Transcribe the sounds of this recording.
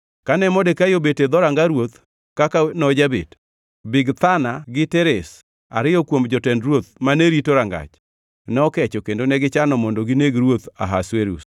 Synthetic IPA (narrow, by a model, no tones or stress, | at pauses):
kanɛmɔdɛkajobeted̪ɔɾaŋɡaɾwot̪ | kakanɔd͡ʒabḛt | bɪɡt̪anaɡɪtɛɾes | a̰ɾɪjɔkwomd͡ʒɔtɛndɾwot̪̚maneɾitoɾaŋɡa̰t͡ʃ | nɛɔkɛt͡ʃokendonɛɡɪt͡ʃanɔmɔndoɡineɡɾwot̪a̰ɦasweɾṵs